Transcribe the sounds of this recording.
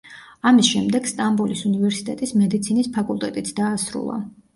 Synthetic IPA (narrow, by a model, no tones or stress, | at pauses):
amisʃɛmd̪ɛɡ̥st̪ʼambulisunivɛɾsi̥t̪ʼɛt̪ʼismɛd̪it̪sʰinispʰakʼulˠt̪ʼɛt̪ʼit̪sʰd̪aːsɾṵlˠa̰